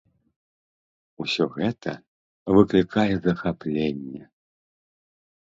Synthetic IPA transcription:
usʲɔɣɛt̪ʰɐ | vɨklʲikʰajɛzɐxaplʲenʲːɛ

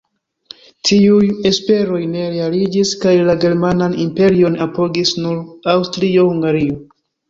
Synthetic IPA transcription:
tʰiuje̞spe̞ɾo̞jne̞ɾealid͡ʒiskajlaɡe̞ɾmananimpe̞ɾio̞napo̞ɡisnuɾawstɾio̞huŋɡaɾio̞

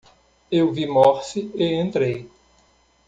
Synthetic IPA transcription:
ewvimɔɾsɪeẽnt̪ɾej

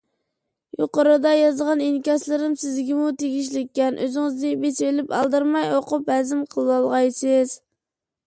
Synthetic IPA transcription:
joqəɾɨd̪ɑjɑzʁɑninkʲɑslˠɨɾɨmsɪzɡʲɪmut̪ʰeɡʲiʃ̬lɪkʲːɛnʔøzɪŋɪznɪbet͡ʃelɪpɑ̰lˠd̪ɨɾmɑjoqʊphɛzɪmqʰəlˠɨwɑlˠʁɑjsɪz̥

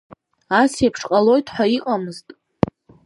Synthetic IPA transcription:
asjapʰʂqʼalo̞jtʰʼħʷaiqʼamɨztʼ

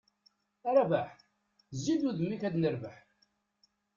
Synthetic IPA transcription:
ɾˤɑvaħ | zːid̪uðəmːikæd̪nəɾvəħ

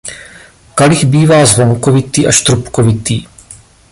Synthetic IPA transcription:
kalɪɣbiːvaːzvoŋkovɪt̪iːʔaʃt̪ɾupkovɪt̪iː

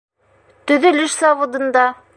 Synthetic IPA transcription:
t̪ɵ̆ðɵlɘʃsɑβŏd̪ɤ̆nd̪ɑ

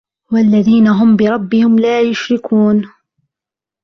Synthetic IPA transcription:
walːaðiːnaɦʊmbɪɾˤɑbːɪhɪmlaːjʊʃɾɪkuːn

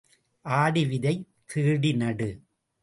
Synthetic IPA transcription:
ʔaːɽɪʋɪðɐɪ | kʰːiːɽɪnɐɽɯ

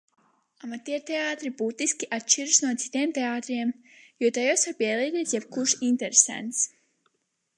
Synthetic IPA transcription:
amat̪iɛɾt̪eaːt̪ɾibuːt̪iskʲiʔat̪ʃt͡ʃiɾusnuɔt̪si̥t̪iɛmt̪eaːt̪ɾiɛm | juɔt̪ajɔsaɾpiɛlˠiːɡiːsjɛb̥kuɾʃint̪ɛɾesæ̰nt̪s

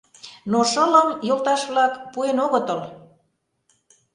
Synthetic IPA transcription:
noʃələmjolt̪ɑʃβlɑkpuenoɣət̪əl

